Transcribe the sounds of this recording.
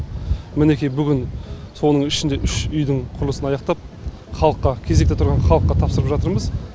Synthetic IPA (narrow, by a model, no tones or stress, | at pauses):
mɪne̞kʲijbʏɡʲɪn | so̞nəɴɪʃɪnd̪e̞ʔʏʃʏjd̪ɪɴqʰʊɾlˠəsənɑjɑqt̪ɑp̚ | χɑlˠəqːɑkʲʰe̞zekt̪et̪ʰʊɾʁɑnχɑlˠəqːɑt̪ʰɑpsəɾəpʒɑt̪əɾməz